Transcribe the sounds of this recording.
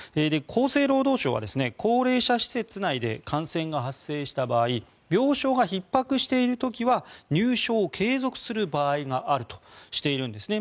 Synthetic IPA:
eːd̪e̞kʰo̞ːse̞ːɾo̞ːd̪o̞ːɕo̞ːβa̰d̪e̞sɨne̞kʰo̞ːɾe̞ːɕaɕi̥se̞t͡sɨnaid̪e̞kʰãɰ̃sẽ̞ŋɡaɦasːe̞ːɕi̥t̪abaːi | bʲjo̞ːɕo̞ːɡaçipːakɯ̟ɕi̥t̪e̞iɾɯ̟t̪o̞kʲiβaɲɨːɕo̞ːkʰe̞ːzo̞kɯ̟̥sɨɾɯ̟baːiɡaʔaɾɯ̟t̪o̥ɕi̥t̪e̞iɾɯ̟̃nd̪e̞sɨne̞

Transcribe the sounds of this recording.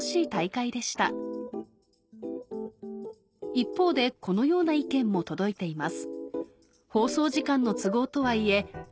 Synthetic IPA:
ɕiːt̪aikaid̪e̞ɕi̥t̪a̰ | ipːo̞ːd̪e̞ko̞no̞jo̞ːnaikẽ̞mːo̞t̪o̞d̪o̞it̪e̞imasɨ̥ | ho̞ːso̞ːʑikãnːo̞t͡sɨɡo̞ːt̪o̞βaie̞

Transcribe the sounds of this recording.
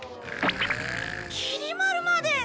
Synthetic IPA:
kʰiɾimaɾumad̪e

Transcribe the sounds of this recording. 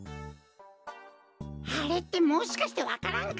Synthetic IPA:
aɾe̞t̪ːe̞moːɕi̥kaɕi̥t̪e̞βakaɾãŋk

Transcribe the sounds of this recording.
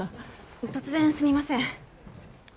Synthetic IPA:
t̪o̞t͡sɨzẽɰ̃sɨmʲimasẽ

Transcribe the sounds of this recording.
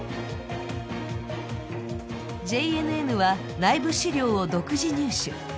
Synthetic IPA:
d͡ʑe̞ie̞nɯ̟e̞nɯ̟βa | naibɯ̟ɕiɾʲo̞ːod̪o̞kɯ̟ʑiɲ̟ɨːɕɨ̰

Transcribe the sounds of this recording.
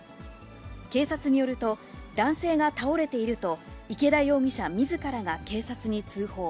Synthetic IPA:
ke̞ːsat͡sɨɲ̟ijo̞ɾɯ̟t̪o̞d̪ãɰ̃se̞ːɡat̪ao̞ɾe̞t̪e̞iɾɯ̟t̪o̞ike̞ɾaio̞ːɡʲiɕamʲizɨkaɾaɡake̞ːsat͡sɨɲ̟it͡sɨːho̞ː

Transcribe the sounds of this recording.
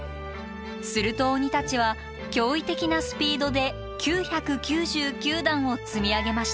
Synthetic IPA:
sɨɾɯ̟t̪o̞ːɲ̟it̪at͡ɕiβ̞a | kʲo̞ːit̪e̞kʲinasɨ̥pʲiːd̪o̞d̪e̞ | kʲɨːçakɯ̟kʲɨːʑɨːkʲɨːd̪ãɰ̃o̞t͡sɨmʲiaɡe̞maɕi̥t̪a

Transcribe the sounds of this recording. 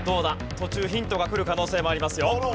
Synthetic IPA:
d̪o̞ːna | t̪o̞t͡ɕɨːçĩnt̪o̞ɡakɯ̟ɾɯ̟kano̞ːse̞ːmo̞aɾʲimasɨjo

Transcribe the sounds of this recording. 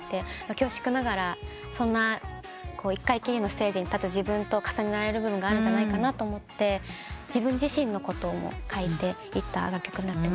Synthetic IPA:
t̪ːe̞makʲo̞ːɕi̥kɯ̟naɡaɾa | sõ̞nːa | kʰo̞ːikːaikʲiɾʲɯno̞sse̞ːd͡ʑiɲ̟it̪at͡sɨʑibɯ̟̃nt̪o̞kḁsaɲ̟inaɾaɾe̞ɾɯ̟bɯ̟bɯ̟ŋɡaːɾɯ̟ɲɲd͡ʑanaikanat̪o̞ːmo̞t̪ːe̞d͡ʑibɯ̟̃ɲ̟d͡ʑiɕĩnːo̞ko̞t̪o̞mo̰kʰait̪e̞ | it̪ːa̰ɡakʲːo̞kɯ̟ɲ̟inat̪ːem

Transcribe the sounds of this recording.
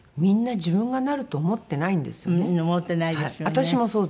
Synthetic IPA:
mʲĩnːad͡ʑibɯ̟̃ŋɡanaɾɯ̟t̪o̞ːmo̞t̪ːe̞naĩnd̪esɨ̥joeomot̪ːenaidaeiat̪aɕimo̞so̞ːd̪

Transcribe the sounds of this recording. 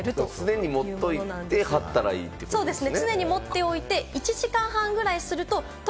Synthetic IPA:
ɾɯt͡sɨne̞ɲ̟imo̞t̪ːo̞it̪e̞hat̪ːaɾa̰ḭːt̪ːeso̞ːd̪e̞sɨnent͡sɨne̞ɲ̟imo̞t̪ːe̞o̞it̪e̞it͡ɕiʑikãɰ̃ɦãŋɡɯ̟ɾaisɨɾɯ̟t̪o̞ | t̪

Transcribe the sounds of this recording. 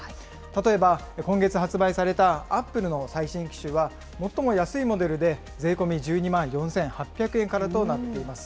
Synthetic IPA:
t̪at̪o̞e̞ba | kõ̞ŋɡe̞t͡sɨhat͡sɨbaisaɾe̞t̪aːpːɯ̟ɾɯ̟no̞saiɕĩŋkʲi̥ɕɨβa | mo̞t̪ːo̞mo̞jasɨimo̞d̪e̞ɾɯ̟d̪e̞ | d͡ze̞ːko̞mʲid͡ʑɨːɲ̟imãɰ̃jõ̞ɰ̃sẽ̞ɰ̃hapʲːakɯ̟ẽŋkaɾat̪o̞nat̪ːe̞imasɨ̥

